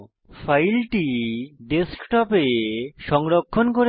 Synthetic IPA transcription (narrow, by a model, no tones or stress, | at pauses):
fʰajlʈiɖeskʈɔpeʃɔŋɾokʰːonk̬oɾe